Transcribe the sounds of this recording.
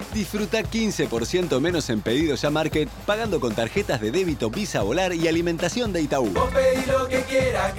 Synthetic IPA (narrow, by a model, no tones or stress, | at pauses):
d̪isfɾut̪akinsepo̞ɾsje̞nt̪ome̞no̞se̞mpe̞ðiðo̞ʒamaɾket̪̚paɣand̪o̞ko̞nt̪aɾxet̪azðe̞ðe̞βit̪o̞βisaβolaɾialimẽnt̪asjo̞nd̪ejt̪auopeðilokekjeɾa